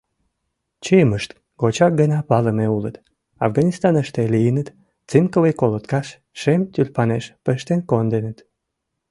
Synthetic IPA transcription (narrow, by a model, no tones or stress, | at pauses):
t͡ɕeməʃt̪ | ɡot͡ɕɑk̚ɡənɑpɑləmeulət̪ | ɑfɣɑnʲist̪ɑnəʃt̪elijənət̪ | t͡sɨnkəwejkolot̪kɑʃ | ʃemt̪ʲylʲpɑneʃpəʃt̪enkond̪enət̪